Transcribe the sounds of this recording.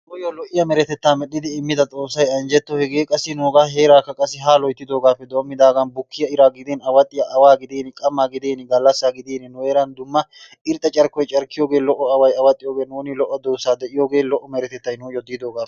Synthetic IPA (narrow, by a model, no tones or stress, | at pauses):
nuːjɔlɔʔɪjɐmɛɾɛt̪ɛt̪ːaːmɛɗːɪd̪ɪːmːɪd̪ɐt̪ʼo̞ːsːɐjɐnd͡ʒɛt̪ːɔhɛɡeːkʼɐsːɪnoːɡaːɦe̞ːɾaːkːɐkʼɐsɪɦaːlɔjt̪ːɪd̪o̞ːɡaːfːɛd̪o̞ːmːɪd̪aːɡɐnbʊkʰːɪjɐɪɾaːɡɪd̪eːnɐwɐt̪ʼːɪjɐʔɐwaːɡɪd̪eːnɪkʼɐmːaːɡɪd̪eːnɪɡɐlːɐsːaːɡɪd̪eːnɪnʊeːɾɐnd̪ʊmːɐ | ɪɾt̪ʼːɐt͡ʃʼɐɾkɔjt͡ʃʼɐɾkːɪjoːɡe̞ːlɔʔɔɐwɐjɐwɐt̪ʼːɪjoːɡeːnuːnɪlɔʔːɔd̪oːsaːd̪ɛʔɪjoːɡe̞ːlɔʔːɔmɛɾɛt̪ɛt̪ːɐjnuːjɔd̪ɪːd̪oːɡaːfɛ